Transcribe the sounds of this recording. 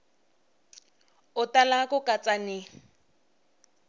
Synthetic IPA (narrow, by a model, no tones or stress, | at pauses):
ʊtalakʼʊkʼat͡sʼanɪ